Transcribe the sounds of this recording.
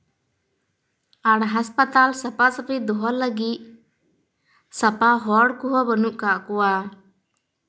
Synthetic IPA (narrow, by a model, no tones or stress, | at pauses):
aɽɦaspət̪alsɐpasəpid̪ɔɦɔləɡiʔ | sɐpaɦɔɽkuɦɔbənuʔkaʔkuwa